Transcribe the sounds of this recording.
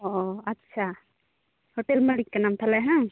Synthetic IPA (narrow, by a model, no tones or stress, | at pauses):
oɐtːʃʰa | hoʈelmɐlikːɐnamt̪ʰalaɦã